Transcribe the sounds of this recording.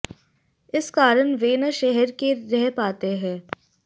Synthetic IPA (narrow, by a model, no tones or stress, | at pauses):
ɪskaːɾəñʋeːnəʃɛɦɛɾkeɾɛɦpaːt̪eɦɛ̃ː